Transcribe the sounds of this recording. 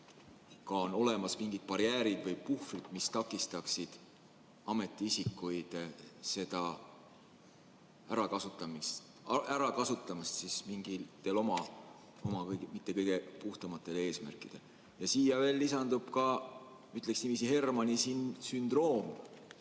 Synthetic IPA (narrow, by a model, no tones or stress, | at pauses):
kɑono̞le̞mɑsmiŋɡ̥id̪̥̚pɑɾjæːɾid̪̥vɤjpuhfrid̪̥mist̪ɑkˑːist̪ɑksid̪̥ | ɑme̞t̪ːˑiisikːujd̪̥se̞d̪̥ɑ | æɾɑkɑsut̪ˑːɑmist̪ | æɾɑkɑsut̪ːˑɑmɑst̪sismiŋɡ̥ilt̪ːelo̞mɑ | o̞mɑkɤjɡmit̪ːe̞kɤjɡ̥e̞puht̪ɑmɑt̪ˑːe̞leːsmæ̰rkˑid̪̥e̞̰l | jɑsiːjɑve̞ːlːisɑnd̪̥ub̥kɑ | yt̪ːˑleksnimisihe̞rmɑnisinsynd̪̥ro̞ːm